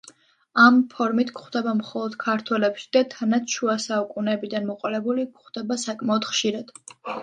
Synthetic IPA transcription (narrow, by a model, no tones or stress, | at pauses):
ampʰɔɾmit̪ʰkχwd̪ɛbamχɔlˠɔd̪̥kʰaɾt̪ʰwɛlɛpʃi̥d̪̥at̪ʰanat̪ʃuasaukʼunɛːbid̪anmɔqʼɔlɛbulikʰχd̪̥ɛbasakʼmaɔd̪̥χʃiɾad̪̥